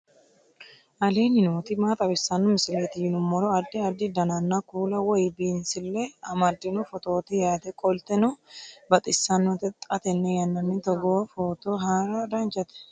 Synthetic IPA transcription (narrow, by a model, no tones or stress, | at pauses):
ʔɐleːnɪnoːt̪ɪmaːt̪ʼɐbɪsːɐnːɔmɪsɪleːt̪ɪjɪnʊmːɔɾɔɐd̪ːɪɐd̪ːɪd̪ɐnɐnːakuːlɐwɔjbiːnsɪlːeɐmɐd̪ːɪnufɔt̪o̞ːt̪ɪjaːt̪ɛkʼɔlt̪ɛnɔbɐt̪ʼɪsːɐnːɔt̪ɛt̪ʼɐt̪ɛnːɛjɐnːɐnːɪt̪ɔɡoːfot̪oɦaːɾɐd̪aːnt͡ʃʼɐt̪ɛ̥